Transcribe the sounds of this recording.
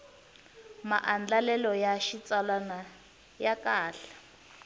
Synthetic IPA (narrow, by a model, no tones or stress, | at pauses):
maʔand͡ɮalɛlɔjaʃit͡salana | jakaːɬḁ